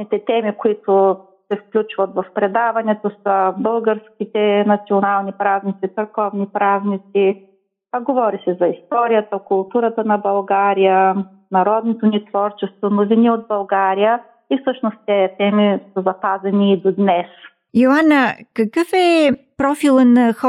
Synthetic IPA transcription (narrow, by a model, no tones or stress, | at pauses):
nit̪ɛt̪ɛmikoit̪ʊ | sɛfklʲut͡ʃvɐt̪vɐfpɾɛd̪avɐnɛt̪osəbɤlˠɡəɾsk̟ʲit̪ɛnɐt̪sionalˠnipɾaznit̪sit̪sɐɾkɔvnipɾaznit̪si | ɡovɔɾisɛzɐist̪ɔɾijət̪əkʊlˠt̪uɾət̪ənɐbɐlˠɡaɾijə | nɐɾɔd̪not̪onit̪vɔɾt͡ʃɛst̪vonoviniod̪̚bɐlˠɡaɾijə | ifsɤʃnost̪t̪ɛt̪ɛmisəzɐpazɛniːd̪od̪nɛs | joanəkɐkɤfɛpɾɔfilˠənɐxɔ